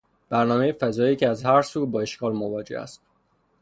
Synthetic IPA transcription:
b̥æɾnɒːmejefæzɒːjiːcʰeæzhæɾsuːbɒːe̞ʃkʰɒːlmovɒːd͡ʒe̞̰hæ̰st̪

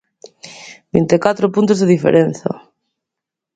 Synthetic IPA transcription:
bint̪ekat̪ɾopunt̪̬ozðeðifḛɾen̟θɐ̰

